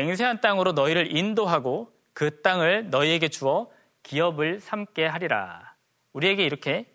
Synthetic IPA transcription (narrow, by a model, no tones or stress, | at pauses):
eŋs̬ʰe̞ɦant͈aŋɯɾonʌiɾɯɾindoɦaɡo | kɯt͈aŋɯɭnʌie̞ɡe̞t͡ɕuʌ | kiʌbɯɭsʰamk͈e̞ɦaɾiɾa̰ | uɾie̞ɡe̞iɾʌkʰe̞